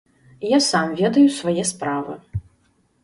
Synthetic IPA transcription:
jasamvʲɛd̪ɐjusvajɛspɾavɨ

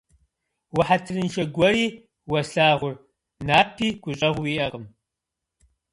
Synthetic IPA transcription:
wɐħatʰɨrɨnʃɐɡʷɔɾiː | wɐɬaːʁʷʊr | naːpʰiːɡ̥ʷʊɕʼɐʁʷʊwiːʔɐʁəm

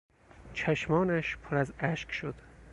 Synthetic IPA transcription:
t͡ʃʰæʃmɒːnæʃpʰoɾæzæʃkʃod̪̥

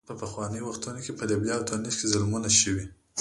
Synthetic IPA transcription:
pəpaxwɑnəjwaxt̪unokepəlabjɑwd̪ɑniskezalmunaʃəwi

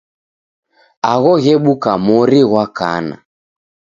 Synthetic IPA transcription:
aɣɔɣɛɓukamɔɾiɣwaka̰na̰

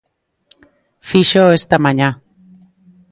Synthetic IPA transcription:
fiʃoest̪amaɲa

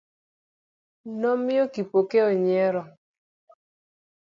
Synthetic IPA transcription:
nɔmɪɔkipokeoɲɛɾɔ

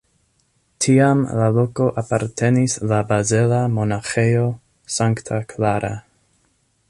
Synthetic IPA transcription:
tʰiamlalo̞ko̞ʔapaɾtʰe̞nislabazelamo̞naxejo̞ | saŋktʰakʰlaɾʔa̰

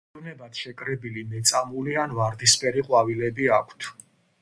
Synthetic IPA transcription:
vnɛbat̪ʃɛkʼɾɛbilimɛt̪sʼamulianvaɾd̪ispʼɛɾiqʼwavilɛbiakʷʰt̪ʰ

